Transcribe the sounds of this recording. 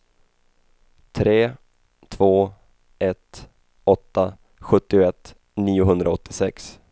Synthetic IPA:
t̪ʰɾeː | t̪ʰv̥oː | ɛt̪ | ɔt̪ːa | ɧɵt̪ːɪʊɛt̪ː | niːʊɦɵnd̪ɾaɔt̪ʰːɪsɛks

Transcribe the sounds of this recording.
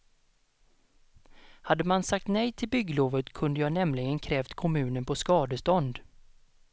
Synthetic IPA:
had̪ːəmansak̚t̪nɛjt̪ʰɪlbʏɡloːvət̪kʰɵnd̪əjɑːnɛmlɪɡənkʰɾɛːft̪kʰɔmʉ̟ːnənpʰɔskɑːd̪əst̪ɔnd̪

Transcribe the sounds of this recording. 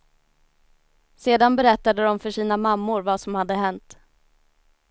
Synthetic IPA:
seːd̪anbɛɾɛt̪ːad̪əd̪ɔmfœʂiːnamamːʊɾvasɔmhad̪ːəɦɛnt̪

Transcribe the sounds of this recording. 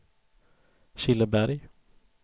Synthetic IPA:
ɕɪlːəbæɾj

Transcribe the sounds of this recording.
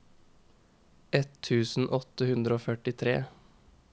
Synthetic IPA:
ɛt̪ʰʉːsn̩ʔɔt̪əhʉnd̪ɾəoːfœʈɪt̪ʰɾḛː

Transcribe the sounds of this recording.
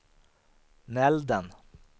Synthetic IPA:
nɛld̪ən

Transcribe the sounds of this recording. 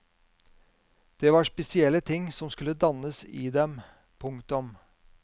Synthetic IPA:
d̪̥eːʋɑʂpɛsɪɛlːət̪ʰɪŋsɔmskʉlːəd̪ɑnəsɪːd̪ɛm | pʰʊŋkt̪ʊm

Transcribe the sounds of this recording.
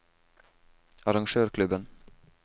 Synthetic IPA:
ɑɾɑŋʃøːɾkʰlʉbən

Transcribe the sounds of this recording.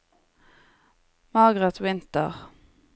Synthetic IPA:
mɑɡʁɛt̪wɪnt̪ə̰ʁ

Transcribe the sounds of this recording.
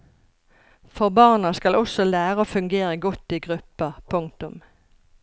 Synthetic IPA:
fɔʁbɑʁnɑskɑlʔɔsɔlæːʁəoːfʉŋɡeːʁəɡɔt̪ːiːɡʁʉpəpʰʊŋ̚t̪ʊm

